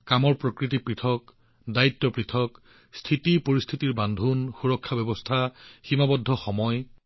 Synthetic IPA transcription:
kamɔɹpɹokɹit̬ipɹitʰɔk | daitːɔpɹitʰɔk | stʰitipoɹistʰitiɹbandʱunxuɹɔkʰːabɛbɔstʰaximabɔdʱːɔxɔmɔj

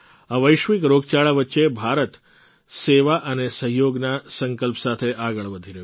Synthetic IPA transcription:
aʋəjʃʋikɾoɡt͡ʃaɭaʋətːʃebʱaɾət̪ | seʋaʔənesəɦjoɡnasəŋkəlpəsat̪ʰeʔaɡəɭʋəd̪ʱiɾəju

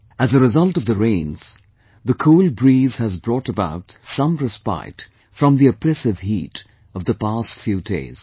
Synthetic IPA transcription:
ɨzɨɾɨzʌlˠtʌvðɨɹẽɪ̃nz̥ | ðɨkʰulˠbɹiz̥ɨzbɹɔɾəba̰ʊtsʌ̃mɹɨspa̰ɪt | fɹʌ̃mðiɨpʰɹɛsɨv̥hḭːɾ | ʌvðəpastfjʉdḛɪz̥

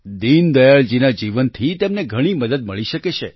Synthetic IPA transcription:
d̪ind̪əjaɭd͡ʒinad͡ʒiʋənt̪ʰit̪emneɡʱəɽ̃iməd̪əd̪məɭiʃəket͡ʃʰḛ

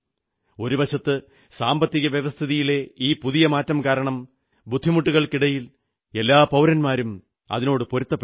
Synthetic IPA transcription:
o̞ɾuʋɐɕɐt̪ːɨ | saːmbɐt̪ːiɣɐʋjeʋɐst̪ʰiðijile̞iːpuðijɐmaːtːɐmkaːɾɐɳɐm | bud̪ʱːimuʈːuɣɐɭkiɽɐjil | e̞lːaːpɐwɾɐnmaːɾum | ɐ̰ðino̞ːɽɨpoɾut̪ːɐpː

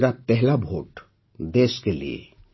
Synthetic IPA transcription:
ɾapɛɦlabʱoːʈ | d̪eːskelḭḛ

